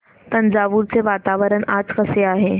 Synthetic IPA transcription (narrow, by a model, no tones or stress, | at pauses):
t̪ənd͡zaːʋuːɾt͡seʋat̪aʋəɾəɳad͡zkəseaːɦe